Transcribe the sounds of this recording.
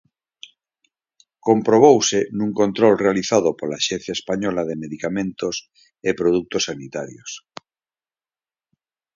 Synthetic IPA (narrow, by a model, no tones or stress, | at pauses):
kompɾoβ̞owsenũŋkõnt̪ɾolrealiθaðopolaːʃẽn̟θjaespaɲɔlaðemeðikamẽnt̪os | epɾoðuk̚t̪osːanit̪aɾjos